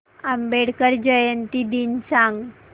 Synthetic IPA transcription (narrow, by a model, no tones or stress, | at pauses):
ambeɽkəɾd͡ʑəjənt̪id̪insaŋɡ